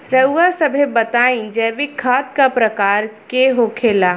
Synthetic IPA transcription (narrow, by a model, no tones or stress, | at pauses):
ɾɐwasɐbʱebɐt̪aːĩd͡ʒɛːʋikʰaːt̪̚kapɾɐkaːɾkeɦokʰeːlaː